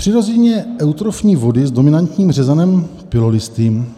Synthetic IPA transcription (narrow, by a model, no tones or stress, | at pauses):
pr̝̥ɪɾo̞zɛɲɛʔɛwt̪ɾofɲiːvo̞dɪzdo̞mɪnant̪ɲiːmr̝ɛzɛnɛm | pɪlo̞lɪst̪iːm